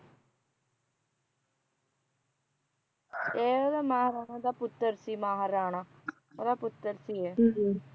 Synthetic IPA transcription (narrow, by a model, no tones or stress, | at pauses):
eːod̪amaːɦɾaːnãd̪apʊt̪ːəɾsimaːɦɐɾaːɳa | od̪apʊt̪ːəɾsie